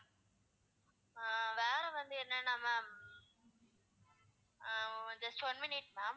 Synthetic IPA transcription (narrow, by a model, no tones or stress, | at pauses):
ʋeːɾɛʋɐnd̪ɯɪɾnanãmãːm | d͡ʒɐsʈʋɐnmɪnɪʈ̚maːm